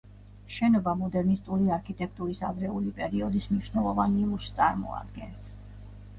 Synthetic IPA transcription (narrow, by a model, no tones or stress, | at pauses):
ʃɛnɔbamɔd̪ɛɾnist̪ʼuɾiaɾkʰit̪ʼɛk̚ʰt̪ʼuɾisavɾɛulipʼɛɾiɔd̪ismniʃnɛlˠɔvaniluʃt̪sʼaɾmɔ̰a̰d̪ɡɛns